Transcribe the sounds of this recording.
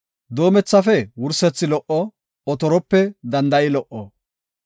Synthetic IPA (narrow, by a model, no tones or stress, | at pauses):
d̪o̞ːmɛt͡sːɐfɛwʊɾsɛt͡sːɪlɔʔɔ | ɔt̪ɔɾɔpːɛd̪ɐnd̪ɐjɪlɔʔɔ